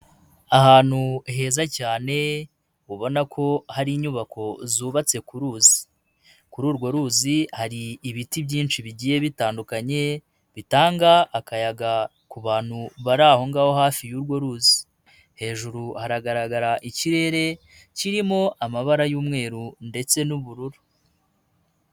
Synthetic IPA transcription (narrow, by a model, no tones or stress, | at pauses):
ahaːn̥huɦe̞ːzacaːne̞ | uβo̞nakʰo̞haɾiːɲuβakʰo̞zuːβat͡se̞kuɾuːzi̥ | kuɾuːɾɡo̞ɾuːzihaɾiːβitibɟiːnʃiβiɟiːje̞βitaːndukaɲe̞ | βitaːŋɡaːkajaɡa | kuβaːn̥huβaɾaho̞ŋɡaːho̞haːfijuːɾɡwo̞ɾuːzi | he̞ːʒuɾuhaɾaɡaɾaɡaɾaʔiciɾe̞ːɾe̞ | ciɾimo̞ʔamaβaɾajuːmŋe̞ːɾunde̞t͡se̞nuβuɾuɾu